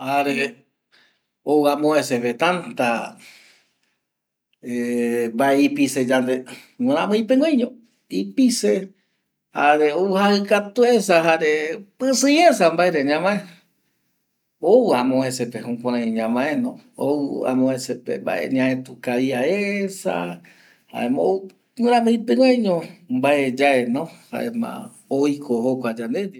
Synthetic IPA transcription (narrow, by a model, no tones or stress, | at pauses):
aɾe | owamõẽseβet̪ant̪a | embaeipised͡ʒand̪ewẽɾ̃ãmɨ̃j̃pẽŋajɲõ | ipise | aɾeowhaɨkat̪uesaɦaɾepɨsɨ̃es̬ambaeɾeɲãmãẽ | owãmõesepehũkʷãɾãjĩɲãmãʔẽnõouã̰mõesepḛmba̰ʔḛɲãẽt̪ukaiaesa̰ | ha̰emõ | wɨɾ̃ãmɨ̃j̃pẽŋʷajɲõmbaed͡ʒaenõha̰ʔḛmã̰ | ojkʰohokʷad͡ʒand̪ed̪